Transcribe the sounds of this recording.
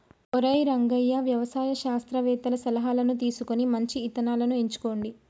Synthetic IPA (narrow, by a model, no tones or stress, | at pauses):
ɔɾɐjɾɐŋɡɐjːɐʋjɐʋɐsaːjɐʃaːst̪ɾɐʋɛːt̪ɐlɐsɐlɐɦaːlɐnut̪iːsukonimɐɲt͡ʃiːt̪ɐnaːlɐnueɲt͡ʃu̥ko̞ːɳɖi